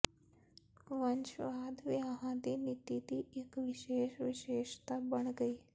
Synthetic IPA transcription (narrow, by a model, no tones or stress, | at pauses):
ʋɐnʃʋaːd̪ʋjaɦãd̪iːnɪt̪it̪iːɪkʋɪʃeːʃʋɪʃeːʃt̪abɐɽ̃ɡəiː